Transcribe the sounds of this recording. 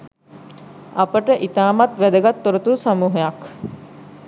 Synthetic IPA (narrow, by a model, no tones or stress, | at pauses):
ɐpəʈəʔit̪aːmat̪ʋæd̪əɡat̪ːoɾət̪usamuːɦejak